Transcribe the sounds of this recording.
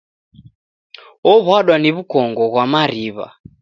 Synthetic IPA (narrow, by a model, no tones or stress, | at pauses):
ɔβwaɗwaniβukɔŋɡɔɣwamaɾiβa̰